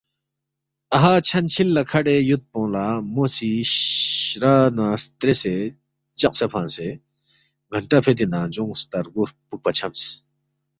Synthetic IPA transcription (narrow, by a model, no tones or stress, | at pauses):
ɐɦat͡ɕʰɐnt͡ɕʰilːɐkʰɐɖejut̪̚pɔ̃ːlamosi | ɾanast̪ɾese | t͡ʃɐq̚sepʰãnse | ɡʱɐɳʈapʰed̪inad͡ʒũŋst̪ɐɾɡuɾpuk̚pɐt͡ɕʰɐms